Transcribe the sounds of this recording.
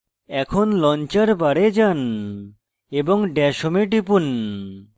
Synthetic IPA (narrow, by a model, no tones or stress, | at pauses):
ɛkʰonlɔnt͡ɕaɾbaɾed͡ʑan | eboŋɖɛʃomeʈipun